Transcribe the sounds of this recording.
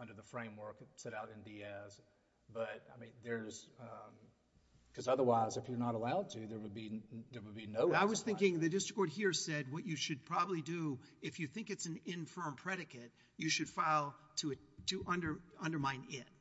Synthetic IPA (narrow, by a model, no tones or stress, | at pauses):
ʌ̃ndə˞ðəfɹẽɪ̃mwɜ˞ksɛɾaʊɾɨ̃ndiɛz̥ | b̥ʌt̚aɪmĩnðə˞z | kʰʌzʌðə˞waɪzɨfjə˞nəɾəlaʊd̚tʰʉðə˞wɨd̚biðə˞wəd̚ˠbinoʊaɪwʌz̥θɪ̃ŋkɪ̃ŋðɨdɪstɹ̥ɨkɔɹd̚hiɹsɛd̚wʌt͡ʃɨʃɨd̚pʰɹ̥ɑbəblidɨɨfjɨθɪ̃ŋkɨtsn̩ɪ̃ɱfɜ̃˞mpʰɹ̥ɛɾɨkɨt̚ | jɨʃɨd̥faɪlˠtʰɨ | tʰɨʔʌ̃ndə˞ʌ̃ndə˞mãɪ̃nɪt̚